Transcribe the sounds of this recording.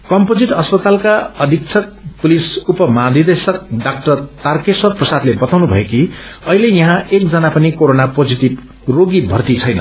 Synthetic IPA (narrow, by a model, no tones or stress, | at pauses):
kʌmpod͡ziʈʌspʌt̪alkaʌd̪ʱik̚t͡sʰʌk̚pulisupʌmãd̪ʱid̪esʌk̚ɖak̚ʈʌrt̪arkeswʌrprʌsad̪lebʌt̪awnubʱʌekiʌɦilejʌɦãek̚d͡zʌnapʌnikoɾonapod͡ziʈib | roɡibʱʌrt̪it͡sʰʌjnʌ̰